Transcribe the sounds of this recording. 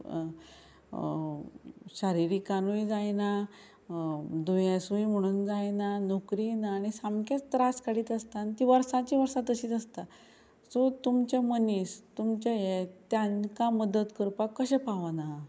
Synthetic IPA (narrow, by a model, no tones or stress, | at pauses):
ɕaɾiɾikanuid͡zajna | d̪ujãsujm̤əɽ̃uːnd͡zajnanokɾinaːñisamkẽt͡st̪ɾaskaɽiːt̪əst̪ant̪iʋəɾsãt͡ɕiʋəɾsat̪əɕiːt͡səst̪a | sot̪umt͡ɕaməniːst̪umt͡ɕajet̪jãnkaməd̪ət̪kəɾpakːəɕɛpaʋana